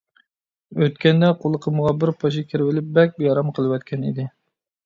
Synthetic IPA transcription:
øt̪kʲɛnd̪ɛqʰolˠəqʰəməʁɑbɪɾpʰɑʃ̬ɪkʲʰɪɾvɪlɪp̚bɛk̚ʲbjɑɾɑmqʰəlˠɨwɛt̪̚kʲʰɛnḭd̪ɪ

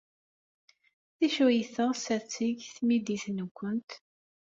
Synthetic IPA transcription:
θiʃujθəʁsæt͡sːiʝθmid̪iθnkʷːənt̪

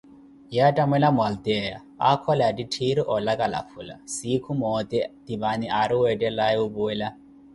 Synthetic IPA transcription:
jatʼamɛlamʊald̪ɛja̰ | akʰɔladitʰiɾiʔɔlakʼala̰fʰula̰sikʰumɔt̪ʼɛd̪̥iβaniaɾiwɛtʼɛlajɛubuɛla

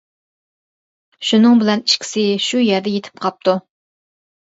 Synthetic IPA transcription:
ʃunɨŋbɪlɛniʃkʲʰi̥sɪʃujɛɾd̪ɛjet̪ʰɪ̥p̚qʰɑp̚t̪ʰu

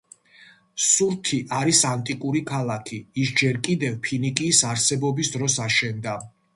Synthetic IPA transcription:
suɾt̪ʰiʔaɾisant̪ʼikʼuɾikʰalˠakʰiːsd͡ʒɛɾkʼid̪ɛvpʰinikʼiːsaɾsɛbɔbisd̪ɾɔsaʃɛnd̪a

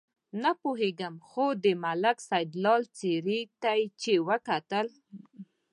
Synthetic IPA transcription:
napoɦeɡamxod̪əmalaksajd̪lɑlt͡seɾit̪ajt͡ʃewəkat̪əl

